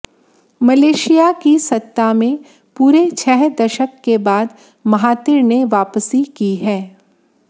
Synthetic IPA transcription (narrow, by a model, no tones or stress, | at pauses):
mɐleːʃijakisɐt̪ːamẽ | puːɾet͡ʃʰɛɦd̪ɐʃəkːebaːd̪ | mɐɦaːt̪ɪɾneʋaːpəsikiɦɛː